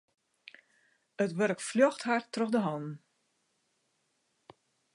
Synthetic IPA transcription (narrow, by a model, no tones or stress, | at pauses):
ətʋøɾəkfljɔxthartroxdəɦɔnn̩